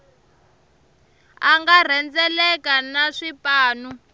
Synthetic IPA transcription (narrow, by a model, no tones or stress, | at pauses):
aŋɡar̤ɛnd͡zɛlɛkanaʂipaːnu